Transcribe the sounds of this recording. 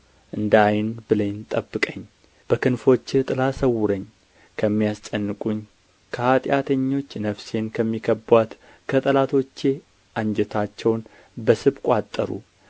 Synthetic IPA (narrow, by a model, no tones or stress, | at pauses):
ʔɨnd̪ajɪnbɨlənt̪ʼəbːɨkʼəɲː | b̥əkɨnfo̞t͡ʃːt̪ʼɨlasəwːʊɾəɲː | kʰəmːijast͡ʃʼənːɨkʼuɲ | kʰəhat̪ʼjat̪ʰəɲːo̞t͡ʃːnəfse̞nkʰəmːikʰəbwat̪ | kʰət̪ʼəlat̪ʰo̞t͡ʃːe | ʔand͡ʒɛt̪ʰat͡ʃːɛwn | bəsɨβkʷʼat̪ʼːəɾṵ